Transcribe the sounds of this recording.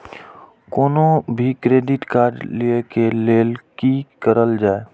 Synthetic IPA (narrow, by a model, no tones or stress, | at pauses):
koːnobʱikɾeːɖɪʈkaːɾɖliekeleːlkikəɾəld͡ʒaːe